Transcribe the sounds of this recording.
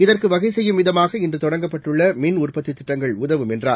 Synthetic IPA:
ɪðɐrkɯʋɐɣɐɪsɛjːɯmʋɪðɐmaːɣɐɪndrɯt̪ɔɽɐŋɡɐpːɐʈːɯɭːɐmɪnʊrpɐt̪ːit̪ːɪʈːɐŋɡɐɭʊðɐʋɯmɛndraː

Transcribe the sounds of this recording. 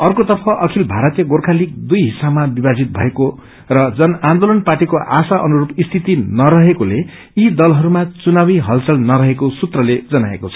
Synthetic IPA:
ʌrkot̪ʌrpʰʌʔʌkʰilbʱaɾʌt̪jʌɡorkʰalik̚d̪ujɦisabmabibad͡zit̪̚bʱʌ̰eko | rʌd͡zʌnand̪olʌnpaʈikoʔasaʔʌnuɾupist̪ʰit̪inʌɾʌɦekole | id̪ʌlɦʌɾumat͡sunabiɦʌlt͡sʌlnʌɾʌɦekosut̪rʌled͡zʌna̰ḛkot͡sʰʌ̥

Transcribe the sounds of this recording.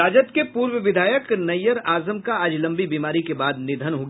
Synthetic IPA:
aːd͡ʒət̪kepuːɾwəʋɪd̪ʱaːjəknɐjəɾaːzəmkaaːd͡ʒlɐ̃mbibiːmaːɾikebaːd̪nɪd̪ʱənɦoɡ

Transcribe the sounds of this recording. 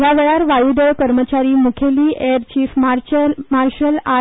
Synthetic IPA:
jaʋeɭaɾʋajuɖəɭkəɾmət͡ɕaɾiːmukʰeliːʔeɾt͡ɕiːfmaɾmaɾɕəla

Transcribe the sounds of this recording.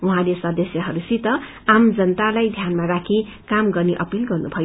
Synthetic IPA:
uɦãlesʌd̪ʌsjʌɦʌɾusit̪ʌ | amd͡zʌnət̪alajd̪ʱjanmaɾakʰi | kamɡʌrneʔʌpilɡʌrnubʱʌ

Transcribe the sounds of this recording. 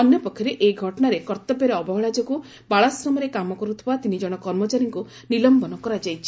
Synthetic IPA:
ɔnjɔpɔkʰːjɔɾeʔeɡʱɔʈɔɽ̃aɾekɔɾt̪ɔbjɔɾeɔbɔɦɔɭad͡ʒɔku | baɭasɾɔmɔɾekamɔkɔɾut̪ʰibat̪inid͡ʒɔɽ̃ɔkɔɾmɔt͡ʃaɾiŋku | nilɔmbɔnɔkɔɾad͡ʒajt͡ʃʰi

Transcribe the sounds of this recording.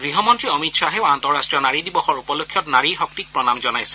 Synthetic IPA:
ɡɹiɦɔmɔntɹiɔmitsaɦɛantɔɹastɹijɔnaɹidibɔxɔɹupɔlokʰːjɔtnaɹixɔk̚tik̚pɹɔnamzɔnajsɛ̥

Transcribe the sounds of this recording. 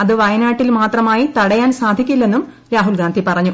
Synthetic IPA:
ɐðɨʋɐjɐnaːʈːilmaːt̪rɐmaːjit̪ɐɽɐjaːnsaːd̪ʱikʲːulːe̞nːum | ɾaːɦulɡaːnd̪ʱipɐrɐɲːu

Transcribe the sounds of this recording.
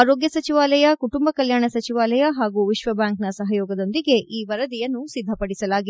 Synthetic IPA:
aːɾoːɡjɐsɐt͡ʃiʋaːlɐjɐkuʈumbɐkɐljaːɳɐsɐt͡ʃiʋaːlɐjɐɦaːɡuːʋiʃʋɐbjaːŋknɐsɐɦɐjoːɡɐd̪o̞nd̪iɡe̞ʔiːʋɐɾɐd̪ijɐnːusid̪ʱːɐpɐɽisɐlaːɡi

